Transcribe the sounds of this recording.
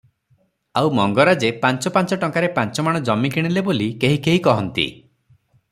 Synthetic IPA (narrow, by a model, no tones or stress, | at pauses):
awmɔŋɡɔɾad͡ʒepant͡ʃɔpant͡ʃɔʈɔŋkaɾepant͡ʃɔmaɽ̃ɔd͡ʒɔmːikiɽ̃ilebolikeɦikeɦikɔɦɔnt̪ḭ